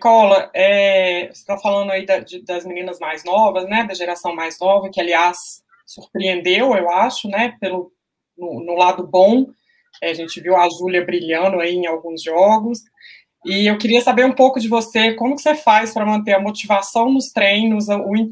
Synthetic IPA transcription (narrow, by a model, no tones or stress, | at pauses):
kɔlɐɛst̪afalɐ̃nd̪ʊaid̪ɐd͡ʒɪd̪ɐzmĩnĩnɐzmajznɔvɐznɛd̪ɐʒeɾasɐ̃w̃majznɔvɐkɪaliasː | uɾpɾiẽnd̪ewewaʃʊnɛpelʊ | nʊnʊlad̪ʊbõw̃ | ɛaʒẽt͡ʃɪviwaʒuljɐbɾiʎɐ̃nʊaiẽawɡũzʒɔɡʊs | ɪewkɪɾiɐsabeɾũpowkʊd͡ʒɪvosekõmʊkɪ̥sefajspɾɐmɐ̃nt̪̬eɐmot͡ʃivasɐ̃w̃nʊst̪ɾẽjnʊzʊĩ